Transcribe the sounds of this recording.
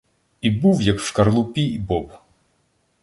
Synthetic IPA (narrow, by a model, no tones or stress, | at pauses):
ibuwjɐkʃkɐrlˠʊpʲiibɔb